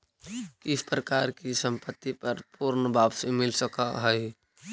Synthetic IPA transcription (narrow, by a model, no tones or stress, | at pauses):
kɪspɾəkaɾkisəmpət̪ːipəɾpuɾnbabsemɪlsəkaɦəj